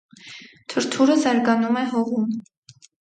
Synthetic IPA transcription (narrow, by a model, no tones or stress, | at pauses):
t̪ʰəɾt̪ʰuɾəzɑɾɡɑnumɛɦɔʁum